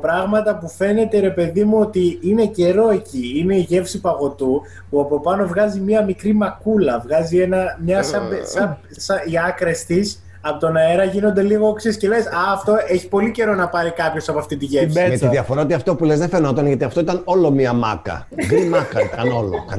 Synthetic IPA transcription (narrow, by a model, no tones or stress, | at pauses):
pɾɐɣmɐt̪ɐpufe̞ne̞t̪eɾe̞pe̞ðimuo̞t̪iine̞ce̞ɾo̞e̞ciine̞iʝe̞fsipɐɣo̞t̪u | puɐpo̞pɐno̞vɣɐzimiɐmikɾimɐkulɐvɣɐzie̞nɐmɲɐsɐsɐ | sɐiɐkɾe̞st̪is | ɐpot̪o̞nɐe̞ɾɐʝino̞nd̪e̞liɣo̞oksesce̞le̞sɐːft̪o̞e̞çi̥po̞lice̞ɾo̞nɐpɐɾikɐpço̞sɐpoɐft̪it̪iʝefsiɐt̪iðiɐfoɾɐot̪iɐft̪o̞pulezðefenot̪onʝɐt̪iɐft̪o̞it̪ɐno̞lo̞miɐmɐ̰kɐ̰ | ɣɾimɐkɐt̪ɐno̞lo̰kɐ̰